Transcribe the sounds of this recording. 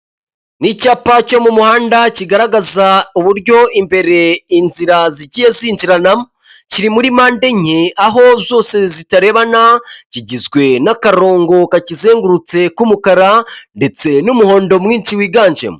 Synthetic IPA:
nicaːpaco̞mumuhaːndaciɡaɾaɡazauβuɾɟo̞imbe̞ɾe̞inziɾaziɟije̞ziːnd͡ʒiɾanamo | ciɾimuɾimaːnde̞ɲeaɦo̞zo̞ːse̞zitaɾe̞βanaciɟizɡwe̞nakaɾo̞ːŋɡo̞kacize̞ːŋɡuɾut͡se̞kumukaɾande̞t͡se̞numuho̞ːndo̞mŋiːnt͡ʃiwiːɡaːɲd͡ʒḛmo

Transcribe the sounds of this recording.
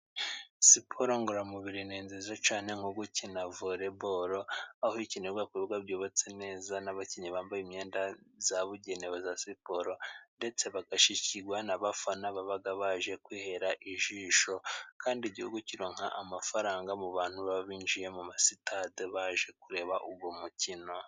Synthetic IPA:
sipʰoɾo̞ŋɡuɾamuβiɾineːnzezat͡ʃaːne̞ŋ̥oɡucinavoɾe̞βoɾo̞ahoicineɾɡakuɡwaβjoːβot͡se̞ne̞ːzanaβaciɲiβaːmbajimɲe̞ːndazaβuɟe̞neβozasipo̞ɾo̞nde̞t͡se̞βaɡaʃiciɡwanaβafanaβaβaɡaβaʒe̞kwiːhe̞ɾaʔiʒiːʃo̞kʰaːndiɟihuɡuciɾoːŋ̥ha̰ʔamafaɾaːŋɡamuβaːn̥huβaββiːnd͡ʒije̞mumasitadeβaʒe̞kuɾe̞ːβaʔuɡwomucino̞

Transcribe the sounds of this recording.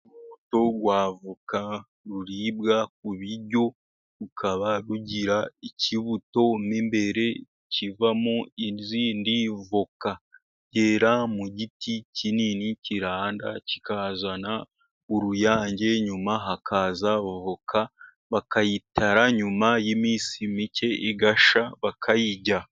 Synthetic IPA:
uβuto̞ɡwaːvuka | ɾuɾibɡak̚uβiɾɟo̞ | ɾukʰaβaɾuɟiɾaiciβuto̞mimbe̞ɾe̞ | civamoiziːndivoka | ɟeɾamuɟiticininiciɾaːnda̰ci̥kazana | uɾujaːɲɟe̞ɲumaɦakʰazavokʰa | βakajitaɾaɲumajimiːsimice̞ʔiɡaʃaβakʰajiɟa

